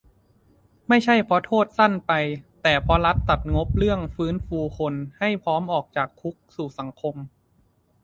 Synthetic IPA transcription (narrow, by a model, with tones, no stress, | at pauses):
ma˥˩jt͡ɕʰa˥˩jpʰɔ˦˥t̪ʰoː˥˩t̪̚sa˥˩npa˧jt̪ɛː˨˩pʰɔ˦˥ɾa˦˥t̪ːa˨˩t̪̚ŋo˦˥p̚ɾɯ˥˩əŋfɯː˦˥nfuː˧kʰo˧nha˥˩jpʰɔː˦˥mʔɔː˨˩k̚t͡ɕaː˨˩kʰːu˦˥k̚suː˨˩sa˩˦ŋkʰo˧m